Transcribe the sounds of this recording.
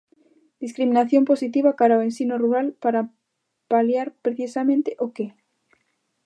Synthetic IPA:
d̪iskɾimĩnaθjo̞mposit̪iβ̞akaɾaoensinoruɾalpaɾa | paljaɾpɾeθisamẽnt̪eʔoke

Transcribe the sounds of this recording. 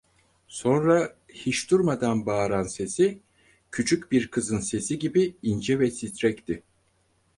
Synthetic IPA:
so̞nɾa | hiʃd̪uɾmad̪anbaːɾanse̞si | cʰyt͡ʃʰycbiɾkʰɯzɯnse̞siɟibiind͡ʒɛvɛsit̪ɾɛct̪ɪ

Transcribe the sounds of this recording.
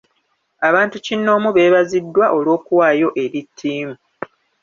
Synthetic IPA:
aβaːntucinːo̞ːmuβe̞ːβazidːwaʔo̞lwo̞ːkuwaːjo̞ʔe̞ɾitʰːiːmu

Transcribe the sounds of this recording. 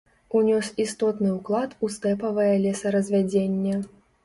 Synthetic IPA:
unʲɔsist̪ɔt̪nɨuklˠat̪ust̪ɛpɐvɐjɐlʲɛsɐɾɐzʲvʲad͡zʲenʲːɐ

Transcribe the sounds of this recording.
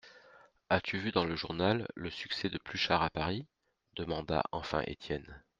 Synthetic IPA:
at̪yvyd̪ɑ̃ləʒuʁnalːəsyksɛd̪əplyʃaʁapaʁi | d̪əmɑ̃d̪a̰ʔɑ̃fɛ̰̃ʔḛt̪ʰjɛn

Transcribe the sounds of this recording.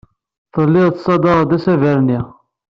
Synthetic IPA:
θəlːɪðˤt̪sˤɑd̪ɑʁd̪æsævæɾni

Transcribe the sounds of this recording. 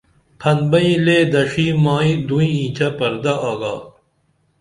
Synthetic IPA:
pʰɐnbɐĩleːd̪ɐʂiːmaːĩd̪uĩĩːt͡ɕʰɐpɐɾd̪ɐʔaːɡa̰ː

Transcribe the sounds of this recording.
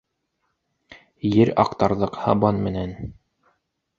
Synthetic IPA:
jɘɾɑ̰qt̪ɑɾðɤqhɑ̰bɑnmɘ̆næn

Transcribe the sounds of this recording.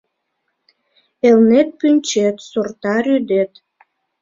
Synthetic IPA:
elnet̪̚pynʲt͡ɕet̪surt̪ɑɾyd̪et̪

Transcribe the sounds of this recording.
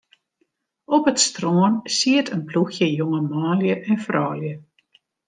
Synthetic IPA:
ɔpətstroənsiətʰənpluxjəjoŋəmaːljəʔɛnfrɔːljə

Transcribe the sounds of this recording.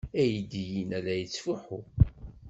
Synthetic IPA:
æjid̪ijinælæjət͡sːfuħu

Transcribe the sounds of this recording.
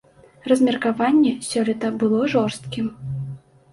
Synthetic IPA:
rɐzʲmʲɛrkavanʲːɛsʲɔlʲɛt̪ɐbɨlˠɔʐɔrst̪̚kʲim

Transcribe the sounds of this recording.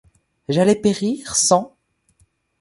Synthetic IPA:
ʒalɛpeʁiʁsɑ̃

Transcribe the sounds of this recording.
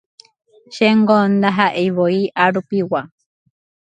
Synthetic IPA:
ʃeŋɡond̪aɦaʔejβoiʔaɾupiwa

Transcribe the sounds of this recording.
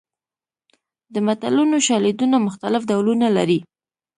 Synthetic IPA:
d̪əmat̪alunoʃɑled̪unamʊxt̪alɪfd̪awlunala̰ɾi

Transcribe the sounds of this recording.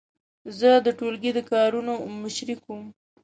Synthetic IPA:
zəd̪əʈolɡid̪əkɑɾunomɪʃɾikum

